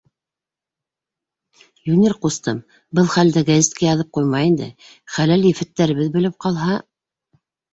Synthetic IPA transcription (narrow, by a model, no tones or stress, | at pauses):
junʲirqust̪ɤm | bɤlˠχæld̪æɡæzʲet̪kæjɑðɤp̚qujmɑjind̪ɘ̰ | χælæljɘ̆fæt̪ːæɾɘ̆βɘðbɘ̆lɘp̚qɑlˠɦɑ